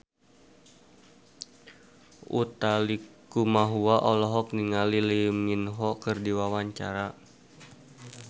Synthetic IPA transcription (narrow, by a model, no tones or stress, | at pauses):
ṵt̪alikumaɦuaʔɔlɔɦɔk̚niŋalilimɲinɦɔkɨrdiwawaɲt͡ʃaɾa